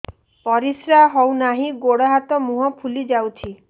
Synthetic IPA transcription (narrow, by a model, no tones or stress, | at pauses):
pɔɾisɾaɦɔwnaɦĩɡoɽɔɦat̪ɔmuɦɔpʰulid͡ʒawt͡ʃʰi